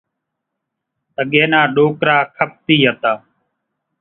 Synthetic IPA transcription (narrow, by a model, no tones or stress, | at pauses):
t̪əɠeːnaːɗoːkɾaːkʰəp̚t̪iːɦət̪aː